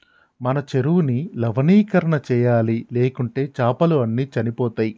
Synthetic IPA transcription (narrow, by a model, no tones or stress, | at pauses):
mɐnɐt͡ʃeɾuʋunilɐʋɐniːkɐɾɐɳɐt͡ʃɛːjaːlileːkuɳʈe̞ːt͡ʃaːpɐluɐnːiːt͡ʃɐnipɔːt̪aːji